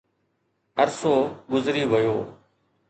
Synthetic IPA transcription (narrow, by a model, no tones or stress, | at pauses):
əɾsoːɡʊzɾiːʋəjoː